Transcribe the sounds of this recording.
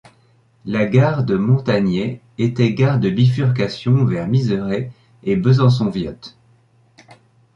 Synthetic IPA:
laɡaʁd̪əmɔ̃t̪aɲe | et̪ɛɡaʁd̪əbifyʁkasjɔ̃vɛʁmizəʁe | ebəzɑ̃s̬ɔ̃vjɔt̪

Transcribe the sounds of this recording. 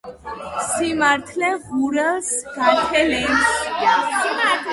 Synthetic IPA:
simaɾt̪ʰlɛʁuɾɛlˠsɡat̪ʰɛlɛns

